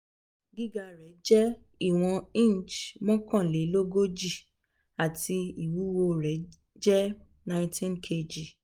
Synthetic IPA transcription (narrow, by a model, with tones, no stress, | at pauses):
ɡi˦ɡa˧ɾɛ˨˦d͡ʒɛ˦ | i˦˨w̃ɔ̃˧ĩ˦˨n˨t͡ʃmɔ̃˦kã˦˨le˨˦lo˦ɡo˦d͡ʒi˦˨ | a˨ti˧i˨wu˨˦wo˧ɾɛ˨˦ | d͡ʒɛ˦ | nã˧ĩtĩ˦nkʰe˧d͡ʒi˨